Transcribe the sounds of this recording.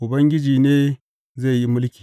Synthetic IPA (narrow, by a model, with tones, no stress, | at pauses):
u˨bɐ˦ŋɡʲi˦d͡ʒi˨ne˦ | za˦˨ji˦mʊ˦lkʲi̥˨